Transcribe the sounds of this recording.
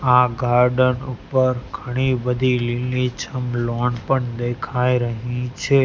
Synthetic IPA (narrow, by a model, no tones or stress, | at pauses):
aɡaɾɖənupəɾɡʱəɽ̃ibəd̪ʱililnit͡ʃʰəmloɳpəɳd̪ekʰajɾəɦĩt͡ʃʰe